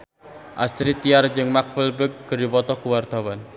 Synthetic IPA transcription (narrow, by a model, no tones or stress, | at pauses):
ʔa̰st̪ɾit̪iard͡ʒɨŋmak̚fəlbək̚ɡ̥əɾiwɔt̪ɔkuward̪̥awan